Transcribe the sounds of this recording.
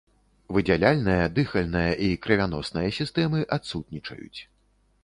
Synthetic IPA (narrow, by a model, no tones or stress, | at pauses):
vɨd͡zʲalʲalʲnɨjɐd̪ɨxɐlʲnɨjɐʔikɾɐvʲan̪ɔsnɨjɐsʲist̪ɛmɨʔat̪sut̪̚nʲit͡ʂɐ̰jṵt͡sʲ